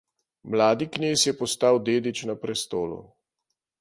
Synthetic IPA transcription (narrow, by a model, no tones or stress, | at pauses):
mlaːd̪ikneːsjɛpɔst̪aːwd̪eːd̪it͡ʃnapɾɛst̪oːlṵ